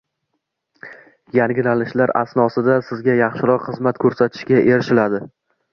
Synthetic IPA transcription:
jaŋɡʲɪlalɪʃlaɾa̰snɒsɪd̪asɪzɡʲajɑχʃɪɾɒqχɨzmat̪kʰɵɾsat̪ʰɪ̥ʃkʲaʔe̞ɾɪʃɪlad̪ɪ

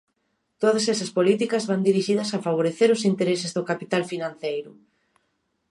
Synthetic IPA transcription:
t̪oðɐsesɐspolit̪ikɐzβand̪iɾiʃiðɐsafaβ̞oɾeθeɾʊsint̪eɾesɪzðʊkapit̪alfinãn̟θejɾʊ

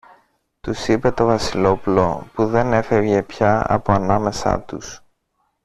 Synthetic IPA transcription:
t̪usipe̞t̪o̞vɐsilo̞pulo̞puðe̞ne̞fe̞vʝe̞pçɐɐ̰po̞ɐnɐme̞sɐ̰t̪us

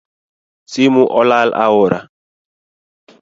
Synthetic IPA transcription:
simuʔɔlalʔa̰wɔɾʔa̰

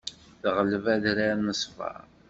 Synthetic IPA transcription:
θʁəlvæðɾanəsˤfɑ̰ɾ

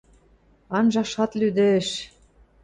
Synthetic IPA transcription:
ɑnʒɑʃɑt̪lyd̪ɘ̆ʃ

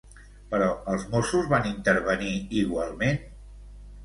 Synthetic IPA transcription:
pəɾɔəlˠzmosuzβanint̪əɾβəniiɣwalˠmen

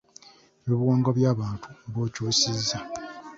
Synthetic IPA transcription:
eβoβiwaːŋɡaβjaːβaːntʰuβoːcoːsizːa

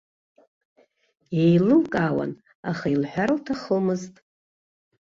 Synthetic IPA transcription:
ejlɨlkʼawa̰n | a̰χailħʷᶣarɨltʰaχomɨztʼ

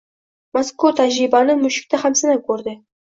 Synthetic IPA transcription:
maskot̪ɑʑibɑnɤmuɕĭ̥k̚t̪ʲɑχɑmsɑ̆nɑkurd̪ʲɘ̆

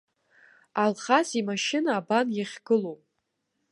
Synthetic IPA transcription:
alχazimaʃɪnaːbanjaχʲɡɨlowpʼ

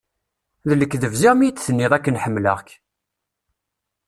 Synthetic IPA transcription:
ðələkːðəvzæʁmijt͡sːθənːɪðˤækːənħəmːlə̰ʁç

